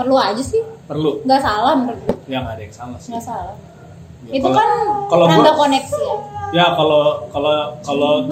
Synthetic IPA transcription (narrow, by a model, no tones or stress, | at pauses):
pərluad͡ʒasɪhpərluŋɡasalahmpərlujaŋadajksalaŋɡasalah | itukankaloadakonɛksijakalokalokalo